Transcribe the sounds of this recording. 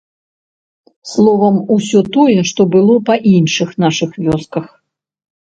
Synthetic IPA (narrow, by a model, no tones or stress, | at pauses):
slˠɔvɐmusʲɔt̪ɔjɛʂt̪ɔbɨlˠɔpɐʔinʂɨxnaʂɨxvʲɔskɐx